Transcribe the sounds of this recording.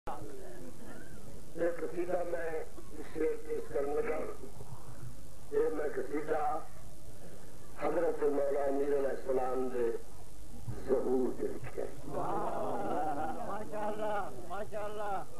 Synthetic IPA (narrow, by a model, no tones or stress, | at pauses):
d͡ʒeːkəsiːd̪aːmɛ̃ | ɪseːɾt̪eːskəɾnẽɡ̪aː | eːmɛ̃ːkəsiːd̪aː | həzɾət̪ʰmaːlaːmiːɾəlɛːsəlaːmd̪e | səɦuːɾd̪eɾɪ̰kʰa̰ː